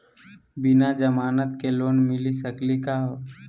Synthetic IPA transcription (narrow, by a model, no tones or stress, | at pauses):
bɪnad͡ʒəmaːnət̪keloːnmɪlisəklikaɦo